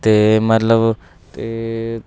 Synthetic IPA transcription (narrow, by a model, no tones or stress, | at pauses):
t̪emɐt̪ləb | t̪e